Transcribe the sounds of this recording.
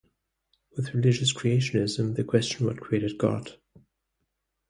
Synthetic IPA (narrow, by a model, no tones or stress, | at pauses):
wɪðɹɨlɪd͡ʒɨskʰɹ̥ieɪʃɨ̃nɪzə̃mðɨkʰw̥ɛst͡ʃə̃n̩wʌ̰d̚kʰɹ̥ieɪɾɨd̚ɡɑ̰d̥